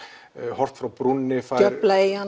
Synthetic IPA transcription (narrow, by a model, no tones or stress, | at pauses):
hɔr̥t̪fɾawpɾunnɪfaœplaejan